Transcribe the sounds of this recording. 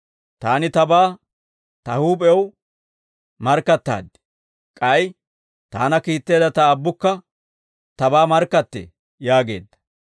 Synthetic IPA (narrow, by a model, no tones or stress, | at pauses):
t̪aːnɪt̪ɐbaː | t̪ɐhuːpʼɛw | mɐɾkːɐt̪ːa̰ːd̪ːɛ̥ | kʼɐj | t̪a̰ːnɐkiːt̪ːe̞ːd̪ɐt̪ɐːbːʊkːɐ | t̪ɐbaːmɐɾkːɐt̪ːḛ | jaːɡe̞̰ːd̪ːɐ̥